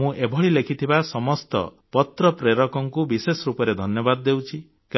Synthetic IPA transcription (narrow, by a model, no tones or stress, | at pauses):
ũʔebʱɔɭilekʰit̪ʰibasɔmɔst̪ɔ̰ | pɔt̪ɾɔpɾeɾɔkɔŋkubisesɔɾupɔɾed̪ʱɔnjɔbad̪ɔːewt͡ʃʰi | k